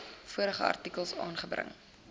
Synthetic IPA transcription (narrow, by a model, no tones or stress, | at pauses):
fuəɾəχəɐ̰rtikəlˠsɑ̰ːnχəbɾə̰ŋ